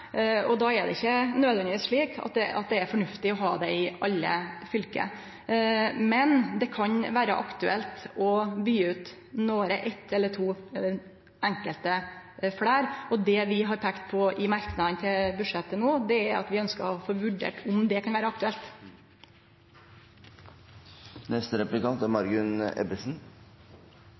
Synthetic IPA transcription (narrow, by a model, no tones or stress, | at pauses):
ɔd̪ɑːɛɖ̪ɛ̰ɪçːənøːd̪ʋɛnd̪ɪʋiːsʂɭiːkʰɑ̰t̪̚d̪ɛʔɑ̰t̪̚d̪ɛæɾfɔɳʉft̪ɪɔɦɑːd̪ɛɪɑlːə̰fʏlkə̰ | mɛnd̪ɛkʰɑɲʋæːɾə̰ʔɑkt̪ʉɛlt̪ɔbyːʉːt̪ | noːɾəʔɛt̪ːɛlːət̪ʰuːɛlːəɾ | æŋkəlt̪əfɽæːɾɔd̪ɛʋɪɦɑɾpʰɛːkt̪pʰɔɪmɑɾknɑd̪ənt̪ʰɪlbʉʂɛt̪ːənoːd̪ɛæɾɑ̰t̪ʋɪœnskəɔfoːʋʉɖḛːʈʰʊmd̪ɛkʰɑnʋæːɾəɑkt̪ʉɛlt̪ | nɛst̪əɾɛplɪkɑnt̪æɾmɑɾɡʉnɛ̰bɪsn̩